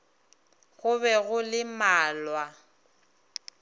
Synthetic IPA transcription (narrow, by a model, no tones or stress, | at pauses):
ɣʊβɛɣʊlɪmaːlwa